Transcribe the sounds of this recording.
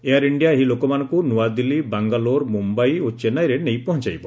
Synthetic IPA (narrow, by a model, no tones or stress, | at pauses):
ejaɾiɳɖijaɦilokɔmanɔ̃kunuwad̪ilibaŋɡaloɾmumbajot͡ʃenajɾenejpɔɦɔ̃nt͡ʃajbɔ